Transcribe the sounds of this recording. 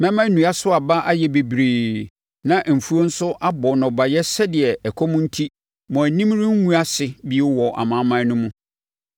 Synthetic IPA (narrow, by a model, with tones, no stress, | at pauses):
mɛ̃˦mã˦nũ˨a˦sʊ˦a˨ba˦ʔa˦jɛ˨be˨bɾeː˨ | nã˨ʔm̩˨fu˦o˦n̩˦sʊ˦ʔa˦bɔ˨nɔ̃˨ba˨jɛ˦sɛ˦dɪ˨ɛ˨ɛ˨kʰɔ˦mʊ̃˦n̩˦tʰi˦ | mɔ̃˨æ˨nĩ˦mɾɪ̃˦ŋ̩˦wũ˦a˦sɪ˨bi˦ɛ˦wɔ˨ʔa̰˨mã˦mã˦nʊ̃˦mũ˦